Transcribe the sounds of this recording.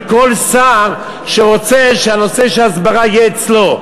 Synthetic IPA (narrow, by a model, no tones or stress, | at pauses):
kolsaʁ | ʃeʁot͡seʃeanoseʃelazbaʁajeːt͡slo